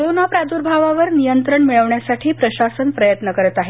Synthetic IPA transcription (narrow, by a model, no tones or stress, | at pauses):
ɾonapɾad̪uɾbʱaʋaʋəɾnijənt̪ɾəɳmiɭəʋɳjasaʈʰiːpɾəɕasənpɾəjət̪nəkəɾət̪aɦe